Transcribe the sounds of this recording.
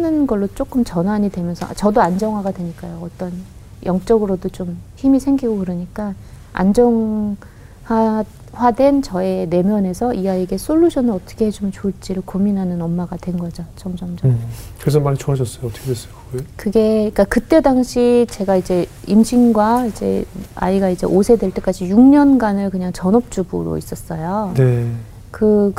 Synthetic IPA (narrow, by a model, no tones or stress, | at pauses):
nɯnɡʌɭːot͡ɕ͈ok͈ɯmt͡ɕʌnaɲidwe̞mjʌnsʰʌ̰a̰t͡ɕʌdoand͡ʑʌŋɦwaɡadwe̞ɲik͈ajoʌt͈ʌn | jʔʌŋt͡ɕ͈ʌɡɯɾodot͡ɕomçimisʰe̞ŋɡiɡokɯɾɯɲik͈a | a̰nd͡ʑʌŋ | ha | wadwe̞nt͡ɕʌe̞ne̞mjʌne̞sʰʌʔiaiɡe̞sʰoʎːuɕʰʌnɯʌt͈ʌ̥kʰe̞ɦed͡ʑumt͡ɕoɭt͡ɕ͈iɾɯɭkominɦanɯnʌmːaɡadwe̞nɡʌd͡ʑat͡ɕʰʌmd͡ʑʌmd͡ʑʌkɯɾes̬ʰʌmaɲit͡ɕʰoaɕʰʌs͈ʌjoʌt͈ʰʌkʰedwes͈ʌk͈okɯɡe̞ik͈akɯt͈e̞daŋɕʰit͡ɕe̞ɡaid͡ʑe̞imɕʰinɡwaid͡ʑe̞̰a̰iɡaid͡ʑe̞̰ʔosʰe̞dwe̞ɭt͈e̞k͈ad͡ʑijuŋɲʌnɡanɯɭkɯɲaŋt͡ɕʌnʌp̚t͡ɕ͈ubɯ̰ɾo̰is͈ʌs͈ʌjone | kɯ